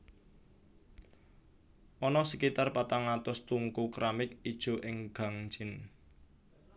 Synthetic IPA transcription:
ʔɔnɔsəkit̪arpat̪aŋat̪ʊst̪uŋkukɾamɪkid̥ʒ̥o̤ʔɪŋɡ̥a̤ŋ̥d͡ʒ̥ɪ̤n

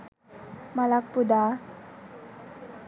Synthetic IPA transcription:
malak̚pud̪a

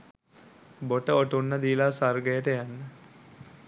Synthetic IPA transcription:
boʈəoʈunːəd̪iːlasarɡəjəʈəjanːə

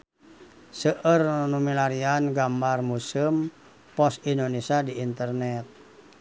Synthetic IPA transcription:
səʔərnumilaɾianɡambarmusim | pɔsindonesadiːnt̪ərnɛt̪̚

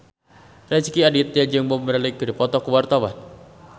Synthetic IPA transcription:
rɛskiadit̪jad͡ʒəŋbɔmbəɾaliɡəɾipɔt̪ɔkəwart̪awan

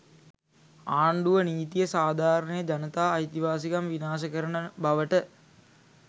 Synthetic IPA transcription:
aːɳɖuʋəniːt̪ijəsaːd̪ʱaːɾənəjəd͡ʒanət̪aːjt̪iʋaːsikamʋinaːs̬əkəɾənəbaʋəʈə

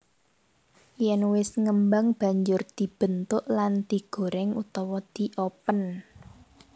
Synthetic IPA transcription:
jɛnwɪsŋəmbaŋb̥a̤ɲd͡ʒʊrd̪̥i̤b̥ə̤nt̪ʊʔland̪̥i̤ɡ̥o̤ɾɛŋut̪ɔwɔd̪̥i̤ʔɔpən

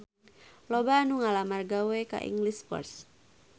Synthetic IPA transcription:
lɔbanuŋalamarɡaweka̰ʔḭŋɡliskɔ̰rs

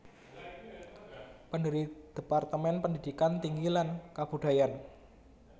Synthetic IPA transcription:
pəndəɾid̪̥e̤part̪əmɛnpənd̪id̥̪ikant̪iŋɡilankab̥ṳɖ̥a̤jan

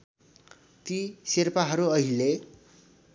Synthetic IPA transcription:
t̪isirpaɦʌɾuʌɦile

